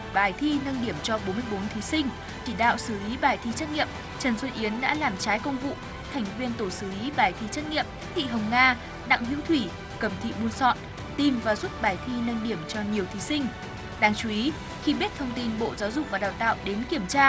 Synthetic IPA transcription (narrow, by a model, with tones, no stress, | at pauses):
ɓaː˨˩jt̪ʰi˧nə˧nɗi˧˩əmt͡ɕɔ˧ɓo˨˦nmɨ˧əjɓo˨˦nt̪ʰi˨˦sï˧ŋ̟ | t͡ɕi˧˩ɗa̰ː˧˨wsɨ˧˩li˨˦ɓaː˨˩jt̪ʰi˧˦t͡ɕə˦˥t̚ŋḭ˧˨əm | t͡ɕə˨˩nswə˧nʔi˨˦ənɗa̰ː˧˥laː˨˩mt͡ɕaː˨˦jkə˧wŋ͡mvṵ˧˨ | t̪ʰɛ˨˩jŋ̟vi˧ənt̪o˧˩sɨ˧˩li˨˦ɓaː˨˩jt̪ʰi˧t͡ɕə˦˥t̚ŋḭ˧˨əmt̪ḭ˧˨ɦə˨˩wŋ͡mŋaː˧ | ɗa̰˧˨ŋɦwḭ˧˥wt̪ʰwi˧˩ | kə˨˩mt̪ʰḭ˧˨ɓu˧ənsɔ̰˧˨n | t̪i˨˩mvaː˨˩zu˦˥t̚ɓaː˨˩jt̪ʰi˧nə˧nɗi˧˩əmt͡ɕɔ˧ɲi˨˩əwt̪ʰi˨˦sï˧ŋ̟ | ɗaː˨˧ŋt͡ɕu˨˧˦ʔi˨˦ | xi˧ɓi˦˥ət̚t̪ʰə˧wŋ͡mt̪i˧nɓo̰˧˨zaː˨˦wzʊ˨˩k͡p̚vaː˨˩ɗaː˨˩wt̪a̰ː˧˨wɗe˨˦nki˧˩əmt͡ɕaː˧